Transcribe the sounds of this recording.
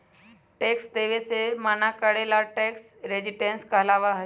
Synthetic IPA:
ʈeksd̪eʋesemanakəɽelaʈeksɾed͡ʑiʈẽnskəlaʋaɦə

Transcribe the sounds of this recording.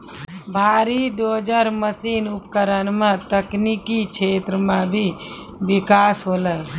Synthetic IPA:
bʱaːɾiɖoːd͡ʒəɾməsiːnupkəɾənmẽt̪əknikikt͡ʃʰeːt̪ɾəmẽbʱi | bikaːsɦoːlə

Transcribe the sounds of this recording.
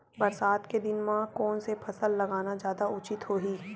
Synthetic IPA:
bɐɾsaːt̪ked̪ɪnmãkɔːnsepʰɐsəlːɐɡaːnad͡ʒjaːd̪aʊt͡ʃɪt̪ɦoːɦiː

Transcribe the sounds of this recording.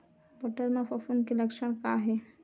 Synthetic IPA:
bəʈəɾmẽfɐfunkilɐkʃəɽ̃kaːɦɛ

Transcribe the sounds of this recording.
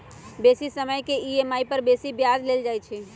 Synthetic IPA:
besisəməjkeiemaipəɾbesibjad͡ʒleld͡ʒajt͡ʃʰɛ

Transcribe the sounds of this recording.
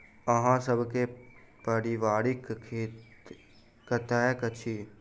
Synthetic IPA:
əɦãːsəbkepəɾiʋaːɾɪkʰe | kət̪ɛːkət͡ʃʰiː

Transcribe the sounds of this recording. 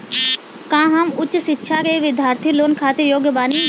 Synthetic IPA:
kãːɦəmʊtːt͡ʃsɪtːʃʰakeːʋɪd̪ʱjaːɾt̪ʰiloːnkʰaːt̪ɪɾjoːɡjəbaːni

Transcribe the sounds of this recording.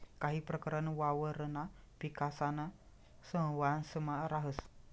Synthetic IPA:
kaɦipəɾkəɾənəwawəɾəna | pikasana | səwansəmaɾaɦəs

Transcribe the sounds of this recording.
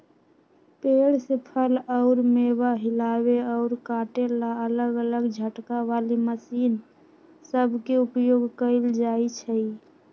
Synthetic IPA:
peɽsepʰələʊɾmebaɦilaβeɔʊɾkaʈelaələɡələɡd͡ʒʱəʈkaʋaliməsiːn | səbʱkeupjoɡkəɪld͡ʒait͡ʃʰəi

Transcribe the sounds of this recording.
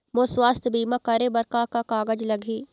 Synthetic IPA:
mõswaːst̪ʰbiːmãkɐɾebɐɾkakakaːɡəd͡ʒlɐɡʱiː

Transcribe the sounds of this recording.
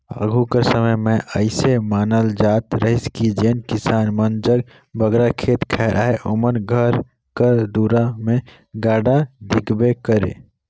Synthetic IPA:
a̰ːɡʱukəɾsəməjmẽʔəɪsemaːnəld͡ʒaːt̪ɾəɦiskid͡ʒeːnkisaːnmənd͡ʒəɡ | bʱəɡɾakʰeːt̪kʰɛːɾʔa̰ːɦeʔomənɡʱəɾ | kəɾd̪uːɾamẽ | ɡaːɖad̪ʱɪkbekəɾḛː

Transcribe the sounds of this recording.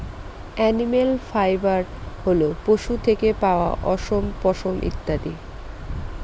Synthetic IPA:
ɛnimelfajbaɾholopoʃut̪ʰekepaoa̰ʔɔʃompɔʃomʔḭt̪ːad̪i

